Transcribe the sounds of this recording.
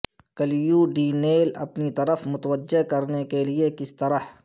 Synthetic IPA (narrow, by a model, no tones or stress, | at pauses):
kɐljuːɖiːneːlɐ̰pnit̪ɐɾəfmʊt̪əʋəd͡ʒːekɐɾnekeliekɪst̪ɐɾəh